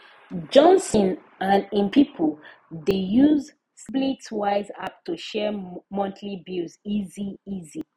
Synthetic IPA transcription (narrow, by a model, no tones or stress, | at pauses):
d͡ʒɔ̃nsɔ̃n | ãnĩmpipʰəl | dejuz | spletwaɪzap̚tuʃɛmɔ̃ntʰlibiziziizi